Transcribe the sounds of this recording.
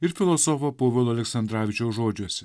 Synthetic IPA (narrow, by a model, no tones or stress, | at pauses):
ɪɾfʲɪlˠɔsɔfopoːʋʲɛlˠoːɐlʲɛksɐnd̪ɾɑːʋʲɪt͡ʃʲoʊʒoːd͡ʒʲuɔsʲɛ